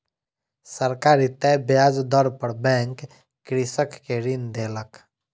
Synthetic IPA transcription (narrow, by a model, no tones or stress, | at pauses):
səɾkaːɾit̪ɛbjaːd͡ʒd̪ɔɾpəɾbɛ̃ŋkː | ɾisəkːeɾind̪eːlək